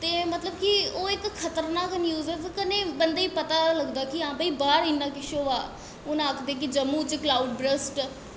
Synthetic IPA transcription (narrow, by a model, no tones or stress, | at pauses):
t̪eːmət̪ləbkioːɪkkʰːət̪əɾnaːkənjuːzɛt̪kəneːbənd̪aːiːpət̪aːləɡd̪aːkiãːbəiːbaːɾɪnːãːkɪʃoːaː | ʊnaːkʰd̪eːk̬id͡ʒəmːũːt͡ʃklaːuɖbɾəsʈ